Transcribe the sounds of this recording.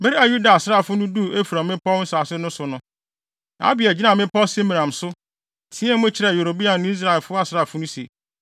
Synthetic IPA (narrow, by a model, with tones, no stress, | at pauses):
be˦ɾi˦a˨ju˦da˨sa˦˨fʊ˦nʊ̃˦du˦˨e˦fu˨ɾa˨mɪ̃˦pɔ˦n̩˦saː˨sɪ˦nʊ̃˦sʊ˨nʊ̃˦ | na˨a̰˦bi˨ɛ˨d͡ʑi˦nã˨mɪ̃˦pɔ˦se˦mĩ˨ã˨m˨sʊ˦˨ | tʰĩ˦ɛ̃˦m˦ʊ̃˦t͡ɕʰɪ˨ɾɛ˨jo˨ɾo˨bi˦a˨nʊ̃˦i˦s̬ɾa˦ɛ˨fʊ˦a˨sɪ˦ɾa˨fʊ˦nʊ̃˦sḛ˨